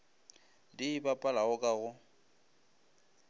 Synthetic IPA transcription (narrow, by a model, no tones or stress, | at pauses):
dibapʼalaɣʊkʼaɣʊ